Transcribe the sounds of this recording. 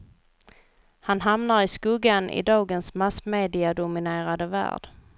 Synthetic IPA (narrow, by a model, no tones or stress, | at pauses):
hanɦamnaɾɪskɵɡanʔɪ̰d̪ɑːɡənsmasmeːd̪ɪad̪ʊmɪneːɾad̪əvæ̰ːɖ̥